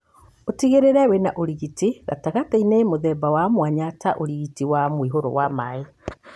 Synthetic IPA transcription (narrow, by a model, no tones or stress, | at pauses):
otiɣeɾeɾɛwenaʔoɾiɣitiɣa̰taɣatainemoðɛbawamwaɲataʔoɾiɣitiwamwiɦoɾo̰wamae